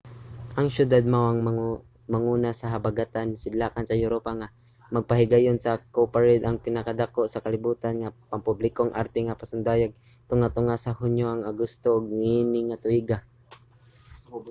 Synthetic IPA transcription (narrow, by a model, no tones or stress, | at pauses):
ʔɐŋʃʊd̪ad̪̚mawaŋ | maŋuːnasaɦabaɡat̪ansɪd̪laːkansɐjʊɾopaŋa | mɐɡ̚paɦɪɡajonsɐkopaɹɪd̪ʔaŋpɪnakad̪akoʔsɐkalɪbuːt̪anŋapaŋpʊblɪkoŋʔa̰ɾt̪ɛŋapasʊnd̪aːjaɡ̚ | t̪ʊŋat̪ʊŋasahʊɲjoʔaŋaɡʊst̪oʔːɡ̚ŋinɪŋat̪ʊiɡa